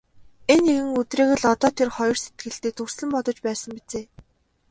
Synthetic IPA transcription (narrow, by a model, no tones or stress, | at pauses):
enexɘ̆ŋɵt̪reːɣɘ̆ɮɔt̪ɔːt̪ʰerχɔjɞ̆rset̪̚ɡɘ̆ɮt̪eːt̪ʰɵrsɮə̆mpɔt̪ɞ̆t͡ɕpæːsə̆mpit͡seː